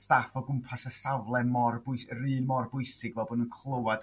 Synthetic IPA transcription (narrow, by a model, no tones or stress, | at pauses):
stafɔɡʊmpʰasəsavlˠɛnmɔrbʊjsɾiɨːnmɔrbʊɨsɪɡvɛbɔnunkʰlˠəwad